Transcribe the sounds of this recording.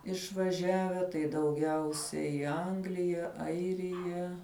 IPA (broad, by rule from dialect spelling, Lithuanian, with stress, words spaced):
ɪʃʋɐˈʒʲæːʋʲɛ tɐɪ dɐʊˈɡʲɛʊsʲɛɪ ɪ ˈɐŋɡlʲɪjɛ ˈɐɪrʲɪjɛ